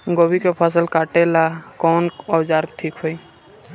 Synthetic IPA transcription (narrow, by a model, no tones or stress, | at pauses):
ɡɔbikepʰasəlkaʈelakɔnɔd͡ʒaɾʈʰikɦoj